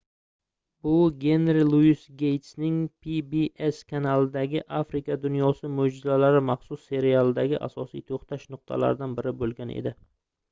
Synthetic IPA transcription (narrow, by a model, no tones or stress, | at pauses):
bʊɡʲe̞nɾilˠusɡʲe̞jt̪snɪŋpʰibieskʰanalˠɪd̪aɡʲɪʔafɾɪkad̪ʊnjɒsɪmod͡ʒɪzalaɾɪmaχsʊsːe̞ɾialˠɪd̪aɡʲɪʔa̰sɒsijt̪ʰoχt̪ʰaʃnʊq̚t̪ʰa̰la̰ɾɪd̪anbɪɾɪbolˠɡʲanʔḛd̪ɪ